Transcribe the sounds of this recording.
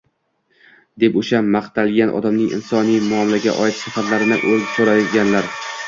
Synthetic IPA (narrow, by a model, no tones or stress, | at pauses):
d̪e̞poʃamaχt̪ʰalɡʲanʔɒ̰d̪amnɪŋɪ̰nsɒnijmʊɒmɪlaɡʲa̰ʔɒɪt̪ʃafat̪laɾɪnɪʔolsoɾajɡʲanlaɾ